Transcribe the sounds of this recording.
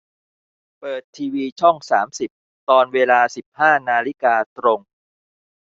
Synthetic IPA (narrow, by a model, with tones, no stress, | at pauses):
pɤː˨˩t̪ʰːiː˧wiː˧t͡ɕʰɔ˥˩ŋsaː˩˦msi˨˩p̚ | t̪ɔː˧nweː˧laː˧si˨˩p̚haː˥˩naː˧li˦˥kaː˧t̪ɾo˧ŋ